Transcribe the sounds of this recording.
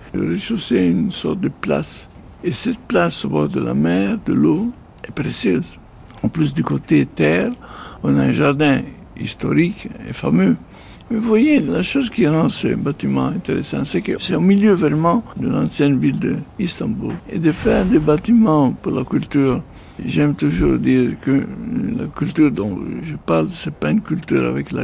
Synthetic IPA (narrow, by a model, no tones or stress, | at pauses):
d̪ə̰ʁeʃuseynsɔ̰ʁt̪̚d̪əpla̰s | esɛt̪̚plasobɔʁd̪əla̰mɛʁd̪əlo | ɛpʁesjøz | ɑ̃plys̬d̪ykot̪et̪ɛʁɔ̃naɛ̃ʒaʁd̪ɛ̃ | ḭst̪ɔ̰ʁikḛfamø | mevwajelaʃozkiʁɑ̃sə̰bat̪imɑ̰̃ɛ̃nt̪eʁesɑ̰̃sɛkəsɛɔ̃miljøvʁɛmɑ̃d̪əlɑ̃sjɛnvild̪əist̪ɑ̃bṵlḛd̪əfɛʁd̪ebat̪imɑ̃puʁlakylt̪yːʁ | ʒɛmt̪uʒuːʁd̪iːʁkəla̰kylt̪yʁd̪ɔ̃ʒəpaʁlsɛpaynkylt̪yːʁa̰vɛkla̰